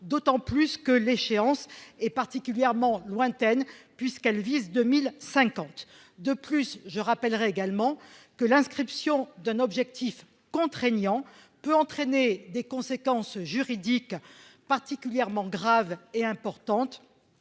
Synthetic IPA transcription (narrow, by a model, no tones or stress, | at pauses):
d̪ot̪ɑ̃plyskəleʃeɑ̃sɛpaʁt̪ikʲyljɛʁmɑ̃lwɛ̃t̪ɛnpɥiskɛlvizd̪ømilsɛ̃kɑ̃t̪ | d̪əplysʒəʁapɛlʁɛeɡalmɑ̃kəlɛ̃skχipsjɔ̃d̪ɛ̃nɔbʒɛk̚t̪if | kɔ̃t̪χeɲjɑ̃ | pøɑ̃t̪χened̪ekɔ̃sekɑ̃sʒyʁid̪ikpaʁt̪ikʲyljɛʁmɑ̃ɡʁaveɛ̃pɔʁt̪ɑ̃t̪